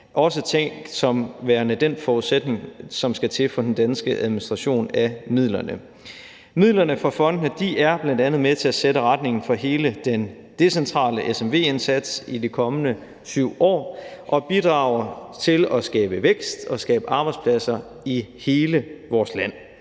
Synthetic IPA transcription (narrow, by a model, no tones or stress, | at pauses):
ʔɒ̽s̬ət͡sʰeŋ̰ɡ̥sɒ̽mʋæːɐnəd̥en̰fɒuðˠsed̥ne̝ŋsɒ̽msɡ̥æt͡sʰe̝fɒ̽d̥en̩d̥ænsɡ̥əʔæðˠminisd̥ʁɑ̈ɕo̝̰ːnæmið̰ˠlɐnə | mið̞̰ˠlɐnəfʁɑ̈fɒ̽n̰d̥nəd̥iʔæɐb̥lænd̥ænð̞̩ˠmet͡sʰe̝æseɾəʁad̥̚ne̝ŋn̩fɒ̽ɦe̝ːləd̥en | d̥e̝sent͡sʰʁɑ̰̈ːləʔesemʋe̝̰ːe̝nsæd̥sidikʰɒ̽mənə | syʊ̰ɒ̰ːʔɒ̽b̥id̥ʁɑ̈ʊ̰ɐt͡sʰe̝lɒsɡ̥ɛ̰ːb̥əʋeɡ̥sd̥ɒ̽sɡ̥ɛːb̥əʔɑ̈ːb̥ɑ̈ɪspʰlæsɐ | ihe̝ːləʋɒːslæn̰